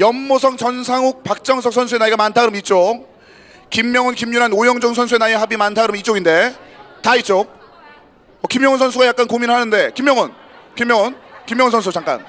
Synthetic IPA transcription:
jʌmmosʰʌŋt͡ɕʌnsʰaŋuk̚pak̚t͡ɕ͈ʌŋsʰʌk̚sʰʌns̬ʰue̞naiɡamantʰaɡɯɾɯmit͡ɕ͈ok̚ | kimːjʌŋɯnkimɲuɾanojʌŋd͡ʑʌŋsʰʌnsʰue̞najeɦabimantʰaɡɯɾɯmit͡ɕ͈oɡinde̞tait͡ɕ͈ok̚ | ʌkimjʌŋɯnsʰʌnsʰuɡajak͈̚ankominɯɭɦanɯnde̞kimjʌŋɯn | kimjʌŋɯnkimjʌŋɯnsʰʌns̬ʰut͡ɕaŋk͈a̰n

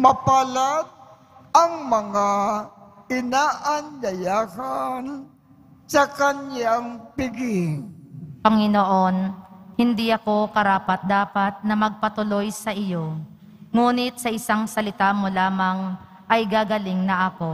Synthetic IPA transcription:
mɐpalat̪̚ | ʔɐŋmɐŋa | ɪnaːʔɐnʎɐjaːhan | sɐkɐnjaŋpɪɡɪŋpɐŋɪnoʔo̞nhɪnd̪iʔɐko̞kɐɾaːpɐt̪̚d̪aːpɐt̪̚nɐmɐɡ̚pɐt̪ʊlo̞jsɐʔɪjo̞ | ŋuːnɪt̪̚sɐʔɪsaŋsɐlɪt̪aːmolaːmɐŋ | ʔɐjɡaːɡɐlɪŋnɐʔɐko̞

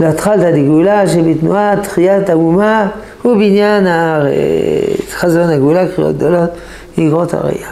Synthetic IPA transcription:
leat̪χalt̪ad̪iɡulaʃebit̪nuat̪χijat̪auma | hubinjanaḛ̥ | χazonaɡulakχijo̰t̪̚d̪olot̪ | iɡʁot̪a̰ʁḛja

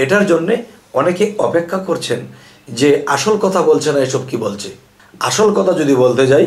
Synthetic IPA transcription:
eʈaɾd͡ʑonːe | ɔnekeɔpekʰːakoɾt͡ɕʰen | d͡ʑeaʃolkɔt̪ʰabolt͡ɕʰenaeʃɔb̚kibolt͡ɕʰe | a̰ʃolkɔt̪ʰad͡ʑod̪ibolt̪ed͡ʑaj

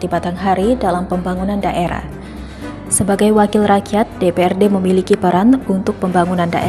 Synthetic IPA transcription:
t̪ibat̪anɦaɾidalampəmbaŋunandaʔeɾa̰h | səbaɡajwakɪlrakiat̪̚depeɛrdeməmilikipəɾanunt̪ʊk̚pəmbaŋunanda̰ʔe

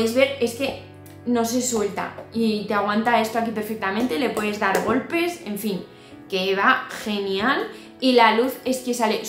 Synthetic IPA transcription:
ezβe̞ɾe̞ske̞ | no̞se̞swe̞lt̪a̰it̪eaɣ̞want̪ae̞st̪oakipe̞ɾfek̚t̪amẽnt̪e̞le̞pwe̞ð̞e̞zðaɾɣo̞lpe̞se̞ɱfiŋ | ke̞βaxe̞njal | ilaluθe̞ske̞sale̞

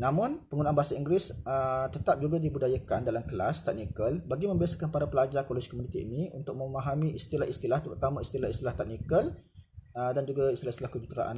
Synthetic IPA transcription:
nãmʊ̃npəŋunãʔanmbaɦasaiŋɡɾɪsət̪ət̪ap̚d͡ʒuɡadibudajakandalamkəlast̪ɛk̚nikəlbaɡimə̃mbiasakanpaɾapəlad͡ʒakoloskomunit̪ḭːniṵnt̪ʊk̚mə̃maɦamĩʔist̪ilahist̪ilaht̪əɾut̪amãist̪ilahist̪ilaht̪ɛk̚nikəl | ədand͡ʒuɡaist̪ilahist̪ilahkəd͡ʒut̪ɾa̰ʔa̰n

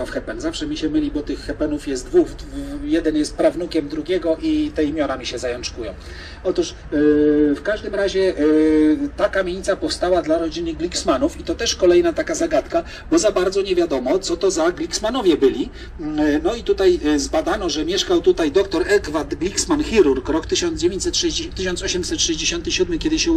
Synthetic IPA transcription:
afxɛpɛnzafʂɛmʲiɕɛmɘlʲibɔt̪ɘxːɛpɛnufjɛst̪d̪vuvjɛd̪ɛnjɛst̪̚pɾavnukʲɛmd̪ɾuɡʲjɛɡɔʔit̪ɛimʲjɔɾamʲiɕɛzajɔnt͡ʂkujɔ̃w̃ | ɔt̪uʂ | fkaʐd̪ɘmɾaʑɛ | t̪akamʲjeɲit̪sapɔfst̪awad̪laɾɔd͡ʑinɘɡlʲiksmanufit̪ɔt̪ɛʂkɔlɛjnat̪akazaɡat̪ka | bɔzabaɾd̪zɔɲɛvʲjad̪ɔmɔt̪sɔt̪ɔzaɡlʲiksmanɔvʲjɛbɘlʲi | nɔit̪ut̪ajzbad̪anɔʐɛmʲjɛʂkawt̪ut̪ajd̪ɔkt̪ɔɾɛɡvad̪ɡlʲiksmanxʲiɾuɾkɾɔkt̪ɘɕɔnd̪zd͡ʑevʲeɲt͡ɕsɛt̪ʂɛt̪ɘɕɔnsɔɕɛmsɛt̪ʂɛʑd͡ʑeɕɔnt̪ɘɕud̪mɘkʲɛd̪ɘɕɛ

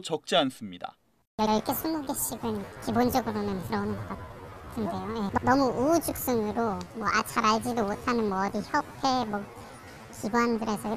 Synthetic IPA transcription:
t͡ɕʌk̚t͡ɕ͈eans͈ɯmɲida̰ | jʌɭkʰesʰumuɡeɕʰiɡɯnkibond͡ʑʌɡɯɾonɯnkɯɾʌnɯnɡʌk͈atʰɯnde̞jojennʌmuud͡ʑɯk̚s͈ɯŋɯɾomwʌat͡ɕʰaɾaɭd͡ʑidomotʰanɯnmwʌdiçjʌpʰemʌ | t͡ɕibandɯɾe̞sʰʌ

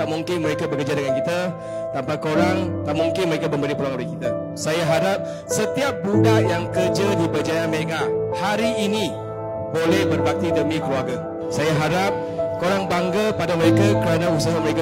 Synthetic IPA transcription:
aʔmuŋkɪnməɾekabəkərd͡ʒadəŋankit̪a | t̪ampakoɾaŋt̪aʔmuŋkɪnməɾekabəmbəlipəlaŋolɪkit̪a | sajaɦaɾap̚ | sət̪iap̚budajaŋkərd͡ʒadibəd͡ʒajameŋaʔhaɾiːni | bolɛhbərbak̚t̪idəmĩkəluarɡa | sajaɦaɾap̚ | koɾaŋbaŋɡəpadaməɾekakəɾanãusaɦaməɾeka

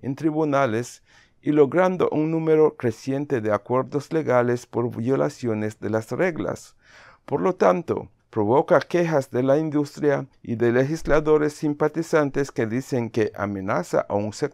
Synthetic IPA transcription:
ent̪ɾiβunales | ilo̞ɣɾand̪o̰ʔuŋnũmeɾo̞kɾesje̞nt̪e̞ðeakwe̞ɾðozle̞ɣalespoɾβjo̞la̰sjo̞nezd̪elasreɣla̰s | poɾlo̞t̪ant̪o̰ | pɾoβokakexazd̪e̞laind̪ust̪ɾjaiðelexislaðo̞ɾesːimpat̪isant̪eskeðiseŋkeʔa̰menasa̰ʔauŋsek

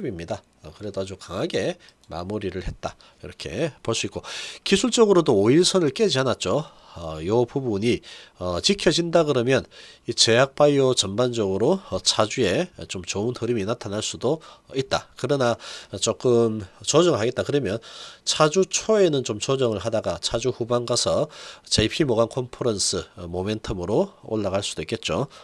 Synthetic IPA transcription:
bimɲida | kɯɾe̞doad͡ʑukaŋɦaɡe̞ | ma̰muɾiɾɯɭhe̞t̚t͈a | iɾʌkʰe̞̰poɭs͈uik͈okisʰuɭt͡ɕ͈ʌɡɯɾodoːiɭsʰʌnɯɭk͈e̞d͡ʑianat̚t͡ɕ͈o | ʌjʌpubuɲiʌt͡ɕikʰjʌd͡ʑindaɡɯɾʌmjʌnit͡ɕe̞jak̚p͈aiot͡ɕʌmband͡ʑʌɡɯɾot͡ɕʰad͡ʑue̞t͡ɕomt͡ɕounhɯɾiminatʰanɦaɭs͈udoit̚t͈a̰kɯɾʌnat͡ɕ͈ok͈ɯmt͡ɕʌd͡ʑʌŋɯɭɦaɡe̞t̚t͈akɯɾʌmjʌnt͡ɕʰad͡ʑut͡ɕʰoe̞nɯnt͡ɕomt͡ɕʌd͡ʑʌŋɯɭɦadaɡat͡ɕʰad͡ʑuhubanɡasʰʌt͡ɕepʰimoɡankʰompʰoɾʌnsʰɯmome̞ntʰʌmɯɾoo̰ɭːaɡaɭs͈ud̥oik͈e̞t̚t͡ɕ͈o

